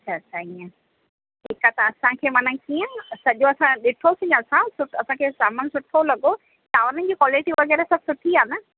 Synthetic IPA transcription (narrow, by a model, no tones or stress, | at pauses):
ɐt͡ɕʰasʰaɦiə̃ | ɦɪkat̪ɐɐsãkʰeːmɐnəkijə̃sɐʄoɐsãɗɪʈʰosɪ̃ɲɐsãsʊɐsãkʰeːsaːmənsʊʈʰolɐɡo | ʈaːʋəɾən̆d͡ʑiːkwɔːlɪʈiʋʋɐɣɛːɾɛsɐb̚sʊʈʰiaːnɐ